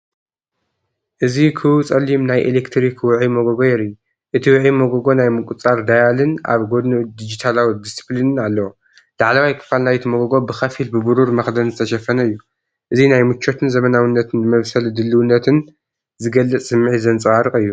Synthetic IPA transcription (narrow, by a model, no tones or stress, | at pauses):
ʔɨzikʰɨut͡sʼɐlːimnajʔelekt̪ʰɾikwʊʕimoɡoɡo̞jɛɾi | ʔɨt̪ʰiwʊʕimoɡoɡo̞najmɨkʼut͡sʼaɾd̪ajalɨna̰βɡo̞d̪nod̪id͡ʒit̪ʰalawid̪isɨ̥plinɨnalːɐwo | laʕlɐwajkʰɨ̥falnajt̪ʰimoɡoɡo̞bɨxɐfilbɨbuɾuɾmɐxd̪ɐnzɨt̪ʰɐʃɐfɐnɐɨjːu | ʔɨzinajmɨt͡ʃʰːo̞t̪ʰɨnzɐmɐnawinːɐt̪ʰɨnmɐβsɐld̪ɨlːɨwunːɐt̪ʰɨn | zɨɡɐlːɨt͡sʼsɨmːɨʕizɐnt͡sʼɨwaɾɨkʼɨjːu